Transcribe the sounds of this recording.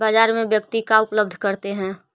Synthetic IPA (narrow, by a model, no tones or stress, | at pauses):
baːd͡ʒaːɾmẽʋjək̚t̪ikaʊpləb̚d̪ʱkɐɾt̪eɦɛ̃ː